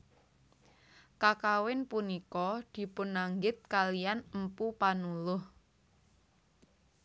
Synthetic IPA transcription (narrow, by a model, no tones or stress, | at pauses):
kakawɪnpunikɔd̪̥i̤pʊnːaŋɡɪt̪̚kalijanəmpupanulʊh